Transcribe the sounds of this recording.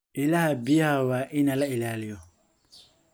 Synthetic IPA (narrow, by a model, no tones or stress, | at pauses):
ʔɪlahɐbɪjɐhɐwaːʔɪnɐlɐɪlaːlɪjɔ